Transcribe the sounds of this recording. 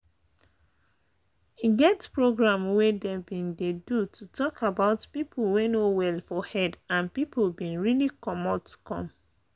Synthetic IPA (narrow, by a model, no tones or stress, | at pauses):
iɡɛtspɹoɡɹãmwedebĩndedutʰutʰɔkʰabaʊtpipʰl̩wenowɛlfɔhɛdãnpiplbĩnɹilikɔmɔtu̥kɔ̰̃m